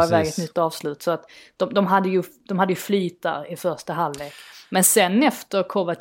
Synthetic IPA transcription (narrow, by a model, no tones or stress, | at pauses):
vɛːɡət̪nʏt̪ːɑːvslʉ̟ːt̪sɔat̪d̪̥ɔmd̪ɔmɦad̪ːəjɵd̪ɔmhad̪ːəjɵflyːt̪a̰ɾɪfœʂʈaɦalːveːkmɛnsɛnːɛft̪əɾkʰɔvat̪